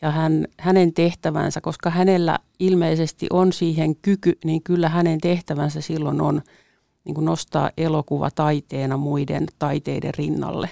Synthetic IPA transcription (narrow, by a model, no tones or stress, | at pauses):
jɑhænhænent̪eht̪æʋæ̰nsækoskɑhænelːæ̰ | ilmeisest̪ḭʔonsiːheŋkykyniːŋkylːæhænent̪eht̪æʋænsæsilːonon | nḭːŋkunost̪ɑ̰ːʔʔelokuʋɑ̰t̪ɑit̪eːnɑmuidḛnt̪ɑit̪eidḛrrinːɑ̰lːḛ